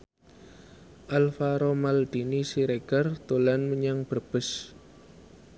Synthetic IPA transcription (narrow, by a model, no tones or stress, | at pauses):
ʔalfaɾomald̪̥inisiɾeɡ̥art̪olanməɲaŋb̥ərb̥ə̤s